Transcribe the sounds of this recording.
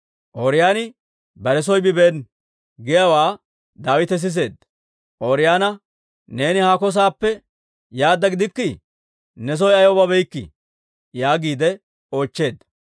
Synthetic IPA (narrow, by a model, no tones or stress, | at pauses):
ʔoːɾɪjaːnɪ | bɐɾɛs̬ɔjbɪbeːn | ɡɪjɐwaː | d̪aːwɪt̪ɛs̬ɪs̬e̞ːd̪ | ʔoːɾɪjaːnɐ | ne̞ːnɪhakɔs̬aːpːɛ | jaːd̪ːɐɡɪd̪ɪkːɪ | nɛs̬ɔjɐjɔbɐbɛjkːɪ̰ | jaːɡiːd̪ɛ | o̞ːt͡ʃːe̞ːd̪ːɐ